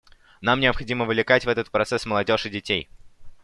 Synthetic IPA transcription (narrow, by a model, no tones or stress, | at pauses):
namnʲɪəpxɐdʲiməvlʲɪkatʲvɛt̪ət̪̚pɾɐt̪sɛsməlˠɐdʲoʐɨdʲɪtʲej